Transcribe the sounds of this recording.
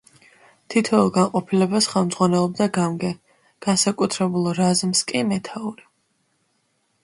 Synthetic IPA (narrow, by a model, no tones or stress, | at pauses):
t̪ʰit̪ʰɔulˠɡanqʼɔpʰilɛbasχɛlˠmd̪zʁwanɛlˠɔb̚d̪aɡamɡɛ | ɡ̥ansakʼut̪ʰɾɛbulˠɾazmskʼimɛt̪ʰauɾi